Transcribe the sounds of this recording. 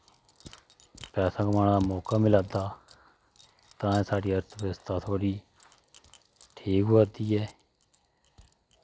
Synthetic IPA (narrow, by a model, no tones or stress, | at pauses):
pɛːsãːkəmaːñaːd̪aːmɔːkaːmɪlaːd̪aː | t̪ãːɛ̃ːsaːɖiːəɾt̪ʋɪst̪ãːt̪ʰoːɽiː | ʈʰiːkʊaːd̪iːɛː